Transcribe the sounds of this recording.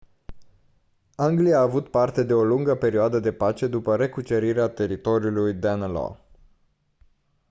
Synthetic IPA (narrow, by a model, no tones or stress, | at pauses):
aŋɡliaːvut̪part̪e̞d̪e̞o̞luŋɡəpe̞ɾioad̪əd̪e̞pat͡ʃe̞d̪upəɾe̞kut͡ʃeɾiɾeat̪e̞ɾit̪o̞ɾiulujd̪anlo̰